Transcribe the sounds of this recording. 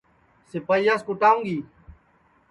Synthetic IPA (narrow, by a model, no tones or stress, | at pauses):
sɪpaːijaːskʊʈaːũːŋɡiː